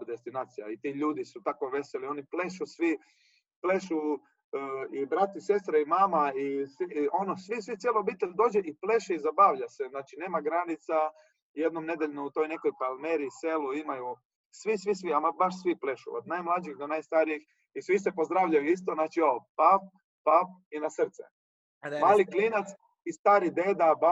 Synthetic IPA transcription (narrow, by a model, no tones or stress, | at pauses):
d̪e̞st̪inaːt̪sija̰it̪iʎuːd̪isut̪ako̞ʋe̞selio̞niple̞ʃusʋi | pleʃu | ibɾat̪iise̞st̪ɾaimaːmaisio̞nosʋisʋit̪ʲjeloobit̪ad̪o̞ːd͡ʑeʔiple̞ʃiizabaːʋʎaseznaːt͡ʃine̞ːmaɡɾanit̪sa | jed̪nomne̞d̪eʎnuut̪o̞jne̞ko̞jpalmeɾiːseluimaju | sʋisʋisʋiamabaʃsʋiple̞ʃuod̪najmlˠad͡ʒixd̪onajst̪aɾijix | isʋisepo̞zd̪ɾaʋʎajuist̪oznaːt͡ʃioopap̚ | papinasr̩t̪sḛ | maːlikliːnat̪s | ist̪aːɾid̪e̞ːd̪aba